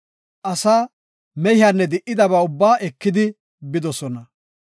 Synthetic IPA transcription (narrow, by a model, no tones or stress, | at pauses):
ʔɐsaː | mɛjhɪaːnːɛd̪ɪʔɪd̪ɐbaːʊbːaːʔɛkːɪd̪ɪ | bɪd̪ɔsɔnɐ